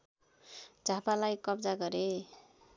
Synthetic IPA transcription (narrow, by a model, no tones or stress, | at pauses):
d͡zʱapalajkʌbd͡zaɡʌɾe